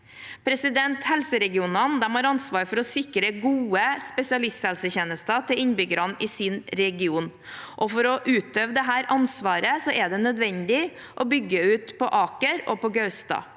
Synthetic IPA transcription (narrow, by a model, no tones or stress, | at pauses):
pʰɾɛsɪd̪ɛnt̪hɛlsəɾɛɡɪuːnɑnd̪ɛmhɑɾɑnsʋɑːɾfɔɾɔsɪkɾəɡuːəspɛsɪɑlɪst̪hɛlsəçɛːnəst̪ɑt̪ʰɪlɪnbʏɡəɾɑnɪsiːnɾɛɡɪuːn | ʔɔfɔɾɔʔʉːt̪øːʋd̪ɛɦæːɾʔɑnsʋɑːɾəsɔʔɛɖ̪ɛnœd̪ʋɛnd̪ɪ | ʔɔbʏɡːəʉːt̪pʰɔʔɑːkəɾɔpɔɡɑʉst̪ɑ̰ː